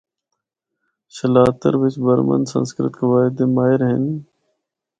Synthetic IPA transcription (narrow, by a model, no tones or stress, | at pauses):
səlaːt̪əɾʋɪt͡ʃbəɾmə̰nsə̰̃nskɾɪ̰t̪kʰeʋaːɪd̪eːmaːɪɾɦən